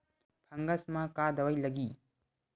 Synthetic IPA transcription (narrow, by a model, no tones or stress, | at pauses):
pʰɐŋɡɐsmakad̪ɐwajlɐɡi